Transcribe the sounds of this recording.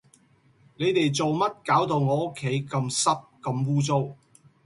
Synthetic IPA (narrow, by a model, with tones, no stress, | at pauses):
ne˨˧jt̪e˨jt͡so˨wmɐ˥t̚kaː˨˥wt̪o˨wŋɔː˨˧o˥kʰːe˨˥jkɐ˧msɐ˥p̚kɐ˧mwuː˥t͡so˥w